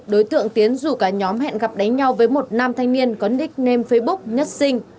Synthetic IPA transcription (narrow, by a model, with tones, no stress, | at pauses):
ɗo˨˦jt̪ɨ̰˧˨əŋt̪i˨˦ənzu˧˩kaː˨˩ɲɔ˨˦mɦɛ̰˧˨nɣa˨˩p̚ɗa˨˦ŋ̟ɲa˧wvəː˨˦jmo˨˩t̚naː˧mt̪ʰa˧jŋ̟ni˧ənkɔ˨˦nɗï˦˥k̟̚ne˧mfə˨˧jɓʊ˦˥k̚ɲə˦˥t̚sï˧ŋ̟